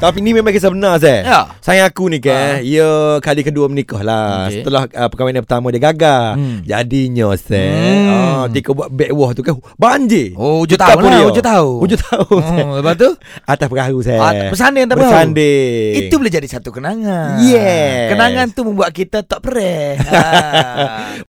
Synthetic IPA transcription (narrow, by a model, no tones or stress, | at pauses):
t̪ap̬inimemãŋkəsəbənars̬ɛsajaakunĩkəiəkalikəduəmənikɔhlasəəlahəpəkawanãpət̪amãdiəɡaɡad͡ʒa̰diɲɔsɛ | t̪ikɔbuaʔbɛʔwɔht̪ukabaɲd͡ʒioud͡ʒt̪aauliud͡ʒʊt̪auhud͡ʒʊt̪aunsaəpat̪u | at̪aspəɾaɾusɛpəs̬andɪŋat̪apəsandeiubəled͡ʒadisat̪ukənaŋajɛkənaŋant̪uməmbuaʔ̚kit̪at̪ɔʔpəɾɛ